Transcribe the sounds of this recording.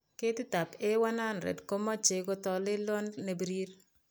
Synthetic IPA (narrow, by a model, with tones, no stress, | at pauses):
ke˦tɪ˦ta˨pe˦wa˦na˦nɾɛ̰˨dko˦mɔ˦t͡ʃe˨ko˦tɔ˨lɪ˦lɔ˦nːe˨bi˨ɾi˦ɾ